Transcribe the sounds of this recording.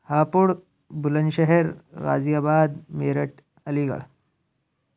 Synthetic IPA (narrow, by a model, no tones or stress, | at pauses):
hapuɽ | bulənɕeɦeɾɾa̰d͡zijabad̪meɾəʈ | əliɡə̰ɭ